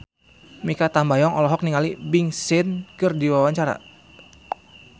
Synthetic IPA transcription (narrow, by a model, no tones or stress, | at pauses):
mikat̪ambajɔŋɔlɔɦɔk̚niŋalibiŋsɪnkɨrdiwawaɲt͡ʃaɾa̰